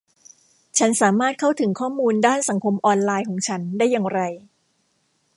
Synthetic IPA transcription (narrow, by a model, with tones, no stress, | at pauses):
t͡ɕʰa˦˥nsaː˩˦maː˥˩t̪̚kʰa˥˩wt̪ʰɯ˩˦ŋkʰɔː˥˩muː˧ndaː˥˩nsa˩˦ŋkʰo˧mʔɔː˧nlaː˧jkʰɔː˩˦ŋt͡ɕʰa˦˥ndaː˥˩jːa˧ŋɾa˧j